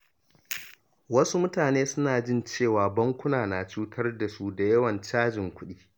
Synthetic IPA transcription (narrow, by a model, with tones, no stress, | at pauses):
wɐ˦su˦mʊ˦taː˨neː˦sʊ˦naː˨d͡ʒɪ˦nt͡ʃeː˦˨waː˨bɐ˦ŋkʷʊ˦naː˨naː˨t͡ʃuː˦tʰɐ˦rda˨su˦da˨jɐ˦wɐ˨nt͡ʃaː˦d͡ʒɪ˨ŋkʷʊ˦ɗiː˦